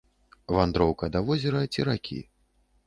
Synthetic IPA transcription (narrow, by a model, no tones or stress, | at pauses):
vand̪ɾɔwkɐd̪avɔzʲɛɾɐt͡sʲiɾakʲʰḭ